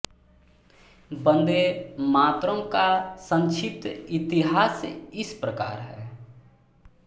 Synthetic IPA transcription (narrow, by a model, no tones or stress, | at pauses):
bə̃nd̪emaːt̪ɾõkasə̃nt͡ʃʰɪp̚t̪ɪt̪ɪɦaːsɪspɾəka̰ːɾɦɛː